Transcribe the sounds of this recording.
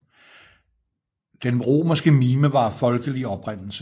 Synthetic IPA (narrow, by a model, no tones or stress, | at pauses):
d̥enʁo̝̰ːmɐsɡ̥əmiːməʋɑ̈fɒ̽lɡ̥əliɒ̽b̥ʁan̰l̩sə